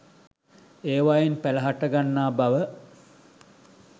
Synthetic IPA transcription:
eːʋajenpæləɦaʈəɡanːaːbaʋə

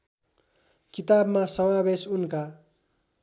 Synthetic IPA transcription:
kit̪abmasʌmabesunka

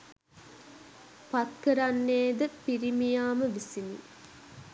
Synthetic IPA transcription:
pat̪kəɾanːeːd̪əpiɾimijaːməʋisinḭ

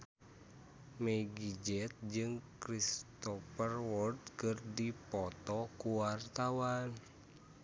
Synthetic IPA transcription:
mɛɡid͡ʒɛt̪̚d͡ʒɨŋkɾist̪ɔfərwɔrd̪kɨrdipɔt̪ɔkuwart̪awan

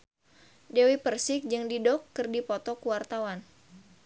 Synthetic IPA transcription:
dewipərsɪk̚d͡ʒɨŋdidɔkːɨrdipɔt̪ɔkuwart̪awan

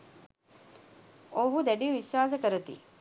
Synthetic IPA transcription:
oɦud̪ɛɖiʋiʃaːs̬əkəɾət̪ḭ

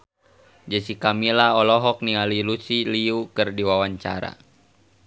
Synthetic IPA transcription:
d͡ʒəsikamilaɔlɔɦɔk̚niŋalilusiliukɨrdiwawaɲt͡ʃa̰ɾa̰

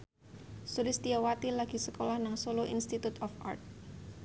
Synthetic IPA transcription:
sulɪst̪iawat̪ilaɡ̥i̤səkolahnaŋsoloʔḭnst̪it̪ut̪ɔfa̰rt̪̚

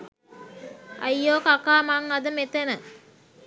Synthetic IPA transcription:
a̰jːoːkakaːmaŋad̪əmet̪enə

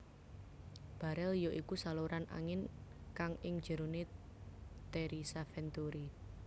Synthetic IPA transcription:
b̥a̤ɾɛljoʔikusaluɾana̰ŋɪnkaŋɪŋ̥d͡ʒ̥ə̤ɾone | t̪eɾisafɛnt̪uɾi

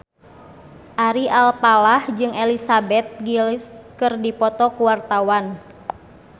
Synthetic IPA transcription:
ʔaɾialpalahd͡ʒɨŋɛlisabɛt̪̚ɡiliskɨrdipɔt̪ɔkuwart̪awan

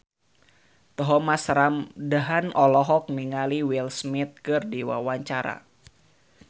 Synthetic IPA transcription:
t̪əɦɔmasɾamdaɦanɔlɔɦɔk̚miŋaliwilsmit̪̚kɨrdiwa̰waɲt͡ʃaɾa̰

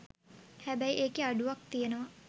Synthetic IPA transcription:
hæbæiʔeːkeaɖuʋak̚t̪ijenəʋɐ

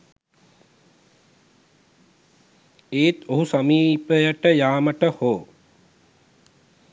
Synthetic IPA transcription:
eːt̪oɦusɐmiːpəjəʈəjaːməʈəhoː

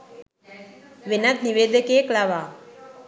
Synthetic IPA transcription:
ʋɪnɐt̪niʋeːd̪ɐkeːklaʋaː

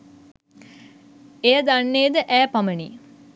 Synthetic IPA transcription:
ejəd̪anːejːd̪əʔæːpaməni

